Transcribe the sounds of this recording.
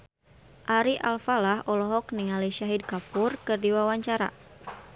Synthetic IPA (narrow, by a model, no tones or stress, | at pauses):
ʔaɾiʔa̰lfalahɔlɔɦɔkniŋaliʃaɦid̚kapurkɨrdiwawaɲt͡ʃaɾa̰